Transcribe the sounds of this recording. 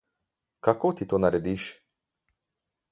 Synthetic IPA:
kakot̪it̪oːnaɾɛd̪iːʃ

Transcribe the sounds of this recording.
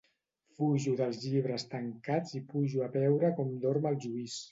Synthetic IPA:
fuʒuðəlˠzʎiβ̞ɾəst̪əŋkad͡zipuʒuəβɛwɾəkɔmd̪oɾməlˠʒuis

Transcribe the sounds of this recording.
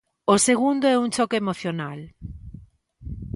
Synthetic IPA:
oseɣund̪oɛuŋt͡ʃɔkeemoθjonal

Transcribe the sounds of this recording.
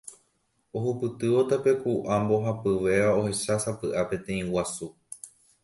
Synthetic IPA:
oɦupɨt̪ɨo̞t̪ape̞kuʔambo̞ɦapɨʋe̞ʋao̞he̞ʃasapɨʔapẽ̞t̪ẽ̞ĩwasu

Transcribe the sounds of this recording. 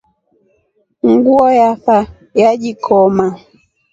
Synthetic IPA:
ŋ̩ɡuɔjafa | jaʄikʰɔma

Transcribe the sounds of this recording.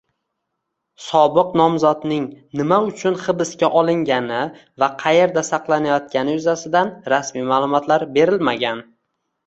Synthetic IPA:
sɒbɨqnɒmzɒt̪nɪŋnɪmaʊt͡ʃʰʊnχɨbɪskʲaʔɒlˠɪŋɡʲanɪ | vaqʰɑje̞ɾd̪asɑqlˠanajɒt̪̚kʲanɪjʊzasɪd̪anɾasmijmaːlˠʊmɒt̪laɾbe̞ɾɪlmaɡʲan

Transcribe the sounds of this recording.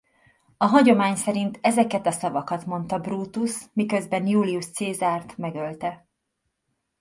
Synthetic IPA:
ɒɦɒɟo̞maːɲsɛɾint̪ʰɛzɛkɛt̪ɒsɒvɒkɒt̪mo̞nt̪ɒbruːt̪usmikø̞zbɛnjuːliuʃt̪seːzaːrt̪mɛɡø̞lt̪ɛ

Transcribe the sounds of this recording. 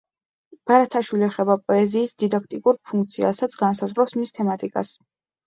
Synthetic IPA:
b̥aɾat̪ʰaʃwiliɛχɛbapʼɔɛziːsd̪id̪ak̚ʰt̪ʼikʼuɾpʰuŋk̚t̪sʰia̰sat̪sʰɡansazʁɾɔpsmist̪ʰɛmat̪ʼikʼa̰s

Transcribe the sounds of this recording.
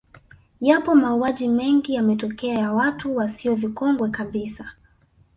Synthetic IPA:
japɔmauaʄimɛŋɡijamɛtɔkɛajawatuwasiɔvikɔŋɡwɛkaɓisa

